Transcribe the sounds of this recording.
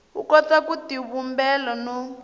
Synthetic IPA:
ṵkɔtakutiβumbɛlɔnɔ

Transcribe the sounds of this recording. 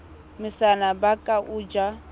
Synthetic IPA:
mɪsanabakʼaʔuːd͡ʒa

